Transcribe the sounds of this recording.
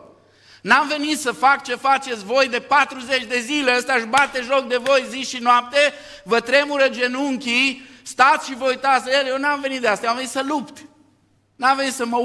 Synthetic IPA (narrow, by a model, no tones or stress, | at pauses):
namve̞nit̪səfak̚t͡ʃe̞fat͡ʃe̞t̪sʲvo̞jd̪e̞pat̪ɾuze̞t͡ʃʲd̪e̞zile̞əst̪aʃbat̪eʒo̞k̚d̪e̞vo̞jziʃinoap̚t̪e̞ | vət̪ɾe̞muɾəd͡ʒe̞nuŋkʲi | st̪at̪sʲʃivəujt̪at̪sʲejewnamve̞nit̪d̪east̪amveit̪səlupt̪ | namve̞nit̪səmə